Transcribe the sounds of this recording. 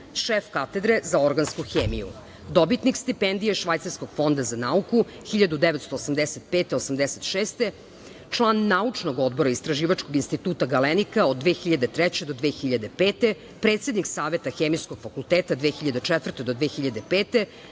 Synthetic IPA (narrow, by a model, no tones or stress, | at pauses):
ʃefkat̪e̞d̪ɾezao̞ɾɡanskuxeːmijṵ | d̪o̞bit̪nikst̪ipend̪ijeʃʋajt̪aɾsko̞ɡ̥fo̞nd̪azanauku | xiʎad̪ud̪eʋet̪st̪oːsamd̪eset̪̚peːt̪eosamd̪eset̪ʃeːst̪e | t͡ʃlˠaːnːaut͡ʂno̞ɡod̪boɾaist̪ɾaʒiːʋat͡ʃkoɡinst̪it̪uːt̪aɡalenikaod̪dːʋeːxiʎad̪et̪ɾɛt͡ɕed̪o̞d̪ʋeːxiʎad̪e̞peːt̪e | pɾeːt̪se̞d̪niksaːʋet̪axeːmijskoɡ̥fakulˠt̪eːt̪ad̪ʋeːxiʎad̪et͡ʂɛt̪vər̩t̪ed̪od̪ʋeːxiʎad̪epeːt̪e